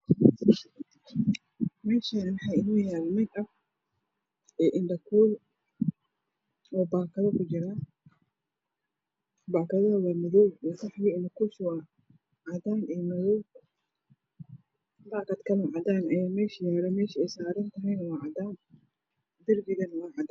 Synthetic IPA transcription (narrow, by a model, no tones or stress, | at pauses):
mɛːʃɐnmħɑjɪnuːjaːlmɐɡʔɐf | ɛːʔɪndɐkʰuːl | ɔːbaːkʰɐðɐkʰʊt͡ʃɪɾaː | baːkɐðɐɐwaːmɪðɔwkɐħjiɪndɐkʰuːʃwa | ʕɑd̪aːnɛmɐðɔ | baːkɐd̪kʰɐlaʕɑd̪aːnɐjaːmɛːʃijmɾɐmɛːʃɪɛjsaːɾɐnt̪ʰɐɦɐjnɐwɑːʕɑd̪aːn | d̪ɐrɡɪɣɐnɐwɑːʕɑd̪